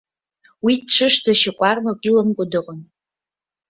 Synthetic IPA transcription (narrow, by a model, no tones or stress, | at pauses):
widʈ͡ʂʷʰɨʂd͡zaʃakʷʼarmakʷʼilɨmkʷʼʊdɨqʼʊn